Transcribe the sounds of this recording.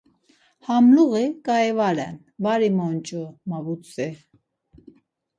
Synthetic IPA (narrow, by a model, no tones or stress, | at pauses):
hamluɣikʼajɛvaɾɛn | vaɾimɔnt͡ʃʼɔmavut͡sʰʼɛ